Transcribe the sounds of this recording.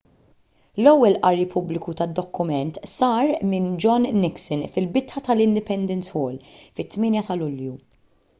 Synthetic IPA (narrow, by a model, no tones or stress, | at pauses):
lɔwːɛlʔɐɾːipʰʊblɪkut̪ɐd̪ːɔkːʊmɛnt̪sɐːɾmɪnd͡ʒɔnːɪksɪnfɪlbɪt̪ħɐt̪ɐlɪnd̪ɪpɛnd̪ɛnsħɔːlfɪt̪ːmɪːnjɐt̪ɐlʊlju